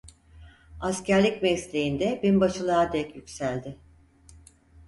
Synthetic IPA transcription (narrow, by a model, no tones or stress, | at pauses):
ascæɾlʲicmɛslʲejind̪ɛbinbaʃɯlˠaːd̪ɛcjykʲsælʲd̪ɪ